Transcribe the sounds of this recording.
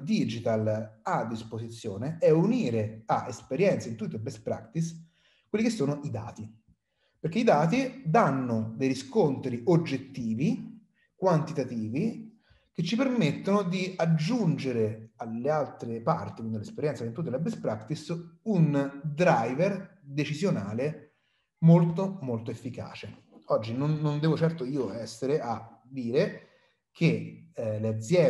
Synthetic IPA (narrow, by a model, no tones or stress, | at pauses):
d̪id͡ʒit̪alad̪ːisposit̪sːjoːneɛuniːɾeaʔespeɾjɛnt̪saint̪ut̪ːeebɛspɾa̰kt̪is | kwelːikesːoːnʊʔid̪a̰ːt̪i | perk̟eid̪aːt̪id̪anːʊd̪ejɾiskont̪ɾiod͡ʒːet̪ːiːvi | kwant̪it̪at̪iːvi | ket͡ʃːipermet̪ːonʊd̪iad͡ʒːund͡ʒeɾealːealt̪ɾepa̰rt̪ikwind̪ilespeɾjɛnt̪sakint̪ut̪̬ːelabespɾakt̪isund̪ɾajverd̪et͡ʃizjonaːle | molt̪omolt̪oefːika̰ːt͡ʃe | ɔd͡ʒːinonːond̪ɛːvot͡ʃɛrt̪oiːoɛsːeɾeʔa | d̪iːɾe | kʰelead̪zːjɛ